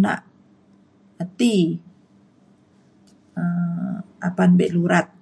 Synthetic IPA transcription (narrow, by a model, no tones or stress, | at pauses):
na̰ʔ | ət̪i | ə | apanbɛʔluɾat̪̚